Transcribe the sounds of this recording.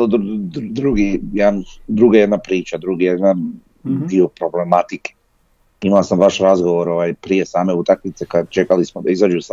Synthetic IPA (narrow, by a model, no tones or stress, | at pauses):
od̪d̪ɾuɡijed̪and̪ɾuɡajed̪napɾiːt͡ʃad̪ɾuɡijed̪nan | d̪iopɾo̞ble̞mat̪ike̥ | imalasamʋaʃɾazɡoʋo̞ɾo̞ʋajpɾije̞saːme̞ut̪aknit̪se̞kad̪t͡ʃe̞kalismod̪aizad͡ʒus